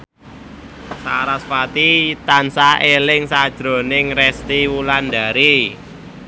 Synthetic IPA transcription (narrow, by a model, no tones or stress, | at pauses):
saɾaspat̪it̪ansaelɪŋsad̥ʒ̥ɾo̤nɪŋrɛst̪iwuland̪aɾi